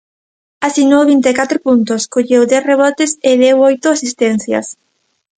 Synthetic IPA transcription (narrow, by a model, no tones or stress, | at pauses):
asinoβint̪ekat̪ɾopunt̪ʊskoʎewd̪ɛθreβ̞ɔt̪esɪðewɔjt̪ʊasist̪ɛn̟θja̰s